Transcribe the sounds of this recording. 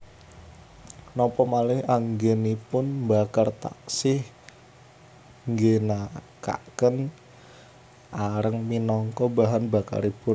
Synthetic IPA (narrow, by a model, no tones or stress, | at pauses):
nɔpɔmalɪhaŋɡenipʊnmbakart̪a̰ksɪh | ŋɡenaka̰kən | ʔaɾəŋminɔŋkɔbaɦanbaka̰ɾib̥ʊn